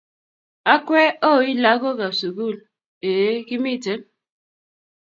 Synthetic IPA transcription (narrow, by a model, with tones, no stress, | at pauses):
a˦kʷe˦o˦˨˦i˦la˨˦ko˦ka˨su˨ɡu˦˨l | e˨˦ki˦mi˦˨te˨˦n